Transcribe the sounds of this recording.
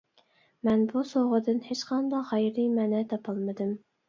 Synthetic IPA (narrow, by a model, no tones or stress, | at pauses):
mɛnbusoʁəd̪ɨnhet͡ʃqʰɑnd̪ɑʁɑjɾɨmɛːnɛt̪ʰɑpʰɑlˠmɨd̪ɨm